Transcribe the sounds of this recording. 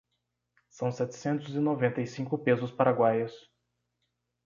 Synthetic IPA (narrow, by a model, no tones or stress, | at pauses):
sɐ̃w̃sɛt͡ʃ̪ɪ̥sẽnt̪ʊzɪnovẽnt̪ɐjsĩkʊpezʊspaɾaɡwajɐs